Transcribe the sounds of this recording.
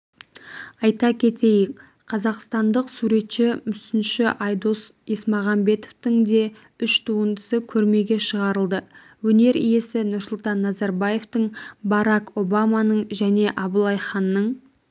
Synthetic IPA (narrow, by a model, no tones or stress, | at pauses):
ɑjt̪ɑkʲʰe̞t̪ejɪk | qʰɑzɑqst̪ɑnd̪əqsuɾe̞t̪ʃɪmʏsɪnʃɪʔɑjd̪os | esmɑʁɑmbe̞t̪oft̪ɪŋd̪e̞ | ʏʃt̪ʰuənd̪əsəkʲʰɵɾme̞ɡʲe̞ʃəʁɑɾəlˠd̪ə | wɵne̞ɾijesɪnʊɾsʊlˠt̪ɑnːɑzɑɾbɑje̞ft̪əɴbɑɾɑko̞bɑmɑnəɴʒæne̞ʔɑbəlˠɑjχɑnːəɴ